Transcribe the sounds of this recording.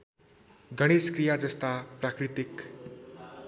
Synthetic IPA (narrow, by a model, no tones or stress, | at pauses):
ɡʱʌɽ̃eskrijad͡zʌst̪aprakɾit̪ik